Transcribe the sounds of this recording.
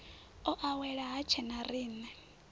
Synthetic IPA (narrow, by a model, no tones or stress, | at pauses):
ɔʔawɛɺaɦat͡ʃʰɛnariːnɛ